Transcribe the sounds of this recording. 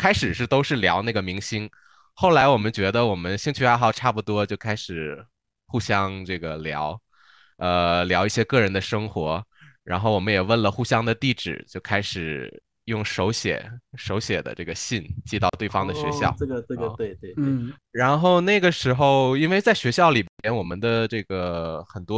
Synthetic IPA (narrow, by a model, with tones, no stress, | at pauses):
kʰa˥ɪʂɻ̩˨˩ʂɻ̩˥˩t̪o˥ʊʂɻ̩˥˩ljɑ˧˥ʊna˥˩ɡə˩mi˧˥ŋɕi˥n | xo˥˩ʊla˧˥ɪwɔ˨˩mə˦nt͡ɕɥɛ˧˥d̪ə˧wɔ˨˩mə˦nɕi˥ŋt͡ɕʰy˥xa˧˥ɪxɑ˥˩ʊʈ͡ʂʰa˥˩pu˨˩t̪wɔ˥t͡ɕjo˥˩ʊkʰa˥ɪʂɻ̩˨˩ | xu˥˩ɕjɑ˥ŋʈ͡ʂɤ˥˩ɡə˩ljɑ˧˥ʊ | ə˧ljɑ˧˥ʊi˥˩ɕjɛ˥kɤ˥˩ɻə˧˥nd̪ə˧ʂɤ˥ŋxwɔ˧˥ɻa̰˧˥nxo˥˩ʊwɔ˨˩mə˦jɛ˨˩wə˥˩nlə˩xu˥ɕjɑ˥ŋd̪ə˨t̪i˥˩ʈ͡ʂɻ̩̰˨˩t͡ɕjo˥˩ʊkʰa˥ɪʂɻ̩˨˩ | jʊ˥˩ŋʂo˧˥ʊɕjɛ̰˨˩˦ʂo˧˥ʊɕjɛ˨˩d̪ə̰˦ʈ͡ʂɤ˥˩ɡə˩ɕi˥˧nt͡ɕi˥˧t̪ɑ˥˧ʊt̪we˥˩ɪfɑ˥ŋd̪ə˨ɕɥɛ̰˧˥ɕjɑ̰˥˩ʊ˥˧t̪we˥˧ɪe˥˧ɻa˧˥nxo˥˧ʊna˥˩ɪɡə˩ʂɻ̩˧˥xo˥˧ʊi˥nwe˥˧ɪt͡sa˥˩ɪɕɥɛ˧˥ɕjɑ˥˩ʊli˨˩mjɛ˥˩npjɛ˥nwɔ˨˩mə˦nd̪ə˧ʈ͡ʂɤ˥˩ɡə˩xə˨˩nt̪wɔ˥